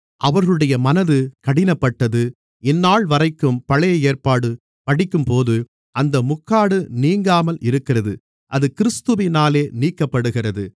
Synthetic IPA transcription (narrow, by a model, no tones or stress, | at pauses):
ʔɐʋɐɾɣɯɽɐjɐmɐnɐðɯkɐɽɪnɐpːɐʈːɐðɯ | ɪnːaːɭʋɐrɐɪkːɯmpɐɭɐjɐeːrpaːɽɯ | pɐɽɪkːɯmpoːðɯ | ʔɐnd̪ɐmʊkːaːɽɯniːŋɡaːmɐlɪɾɯkːɪrɐðɯ | ʔɐðɯkɪɾɯst̪ɯʋɪnaːleːniːkːɐpːɐɽɯɣɪrɐðɯ